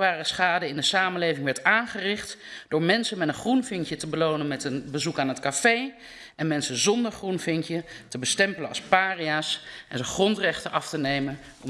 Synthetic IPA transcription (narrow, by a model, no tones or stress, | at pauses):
ʋaːrəsχaːdəɪndəsaːmənlejvɪŋʋɛɹtaːnχərɪχtd̥ʊːɹmɛnsənmɛtənχrunvɪŋkjətəbəlownənmɛtənbəzukaːnɦətkafej | ɛnmɛnsənzɔndəɹχrunvɪŋkjətəbəstɛmpələɑ̰lˠspaːriaːsʔɛnzəχrɔntrɛχtənʔɑftənejmən | ɔ̰m